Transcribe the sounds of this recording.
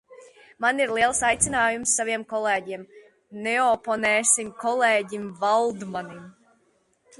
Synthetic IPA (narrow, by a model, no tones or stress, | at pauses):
maniɾlˠiɛlˠsajt̪sʲinaːjumsːaviɛmkɔlˠeːɟiɛm | nɛɔpɔnɛːsimkɔlˠeːɟimvalˠd̪manim